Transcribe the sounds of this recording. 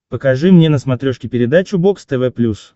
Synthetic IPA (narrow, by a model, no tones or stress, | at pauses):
pəkɐʐɨmnʲenəsmɐt̪ɾʲoʂkʲɪpʲɪɾʲɪd̪at͡ɕʊbo̞kst̪ɛvɛplʲus